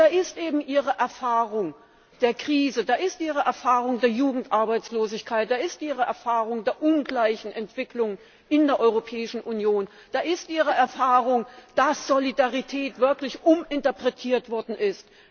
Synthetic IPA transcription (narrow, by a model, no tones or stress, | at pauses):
d̥aːʔɪstʔeːbm̩ʔiːʁəʔɛɐfaːʁʊŋ | d̥eːɐkʁ̥iːzədaːʔɪstʔiːʁəʔɛɐfaːʁʊŋdeːɐjuːɡŋ̩tʔaɐbaɪt͡sloːzɪçkʰaɪtd̥aːɪstʔiːʁəɛɐfaːʁʊŋdeːɐʔʊnɡlaɪçn̩ɛntv̥ɪklʊŋən | ʔɪndeːɐʔɔʏʁopʰɛːɪʃn̩ʔunjoːn | d̥aːʔɪstʔiːʁəʔɛɐfaːʁʊŋd̥asz̥olidaʁitʰɛːtv̥ɪɐklɪçʔʊmʔɪntɐpʁ̥ɛtʰiːɐtv̥ɔɐdn̩ʔɪst